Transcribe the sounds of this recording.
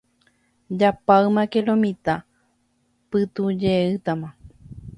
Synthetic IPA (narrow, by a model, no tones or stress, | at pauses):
d͡ʒapaɨmãkelõmĩt̪a | pɨt̪ud͡ʒeɨt̪amã